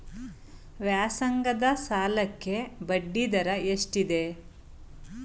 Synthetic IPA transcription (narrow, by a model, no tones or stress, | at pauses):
ʋjaːsɐŋɡɐd̪ɐsaːlɐkːe̞bɐɖːid̪ɐɾɐeʂʈid̪e̞